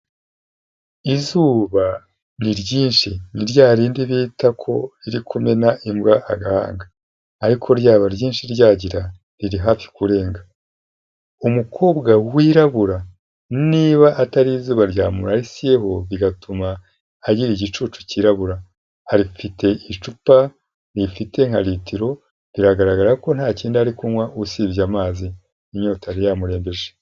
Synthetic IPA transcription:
izuːβa | niɾɟiːnʃiniɾɟaːɾiːndiβiːtakʰo̞̰ɾiɾikʰume̞naʔimbɡaʔa̰ɡaha̰ːŋɡaː | ɾikʰo̞ɾjaːβaɾɟiːnʃiɾɟaːɟiɾa | ɾiɾiɦaːfi̥kuɾe̞ːŋɡa | umukʰo̞ːbɡawiɾaβuɾa | niːβaʔataɾizuːβaɾɟaːmuɾaɾisije̞ɦo̞βiɡatumaː | ɟiɾiɟit͡ʃuːt͡ʃu̥ciːɾaβuɾa | aɾifite̞ʔit͡ʃupa | ɾifite̞ŋ̥haɾitiɾo̞ | ɾiɾaɡaɾaɡaɾako̞n̥haːciːndiaɾikumwaʔusiβjamaːzi | imɲoːtaɾijaːmuɾe̞ːmbe̞ʒe

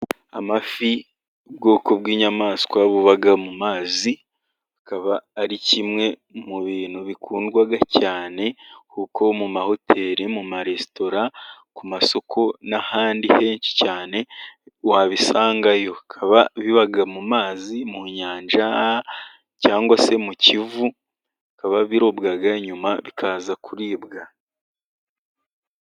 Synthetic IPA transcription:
amafi | ubɡo̞ːko̞bɡiːɲamaːskwaβuβaɡamumaːzi | hakaβaːɾicimŋe̞ | muβiːn̥huβikʰuːndɡwaɡacaːne̞kuːkʰo̞mumaho̞tʰe̞ːɾimumaɾe̞sto̞ɾakumaso̞kʰo̞nahaːndihe̞ːɲci̥caːne̞waβisaːŋɡajo̞kʰaβaβiβaɡamumaːzimuɲaːnʒa | caːŋɡwase̞mucivu | kaβaβiɾo̞bɡaɡaɲumaβikʰaːzakuɾiːbɡa

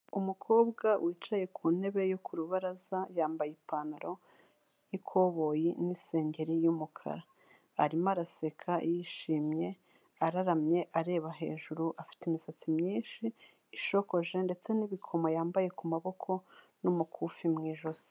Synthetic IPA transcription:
umukʰo̞ːbɡawʔiːt͡ʃaje̞kʰuːn̥e̞βe̞jo̞kuɾuβaɾazajaːmbajipanaɾo̞ | ikʰo̞βo̞jinise̞ːɲɟe̞ɾijumukʰa̰ɾa | aɾimaɾase̞kʰajiʃiːmɲe̞ | aɾaɾamɲe̞ʔaɾe̞ːβaɦe̞̰ːʒuɾuʔafi̥teimisat͡simɲiːnʃiː | ʃo̞ko̞ʒe̞nde̞t͡se̞niβikʰo̞majaːmbaje̞kumaβo̞kʰo̞ | numukʰuːfimŋiːʒo̞z̥i̥

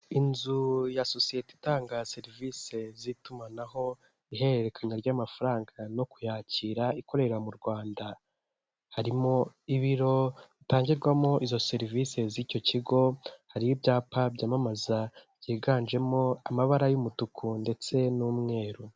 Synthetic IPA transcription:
inzujaso̞sieti̥taːŋɡase̞ɾivise̞zitumanaɦo̞ | iɦe̞eɾe̞kʰaɲaɾɟaːmafaɾaːŋɡano̞kujaːciːɾaiko̞ɾe̞ɾamuɾɡwaːnda | haɾimo̞iβiɾo̞βitaːɲɟiɾɡwamo̞ʔizo̞se̞ɾivise̞ziːco̞ciɡo̞haɾijibɟaːpabɟaːmamazab̥ɟiːɡanʒe̞mo̞amaβaɾajumutukʰunde̞t͡se̞nuːmŋe̞ːɾu

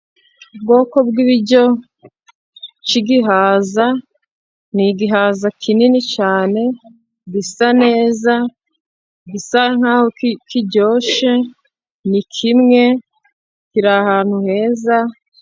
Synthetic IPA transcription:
ub̚ɡo̞ːko̞bɡiβiɟo | t͡ʃiɡiɦaːza | niɡiɦaːzakʰininit͡ʃaːne̞ | ɡisane̞ːza | ɡisaŋ̥haːhokikiɟo̞ːʃe | nikʰimŋe̞ | kiɾahaːn̥huhe̞ːza

